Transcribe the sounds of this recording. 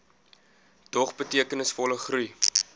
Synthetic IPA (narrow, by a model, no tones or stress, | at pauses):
d̥ɔχbətiəkənəsfɔləχruj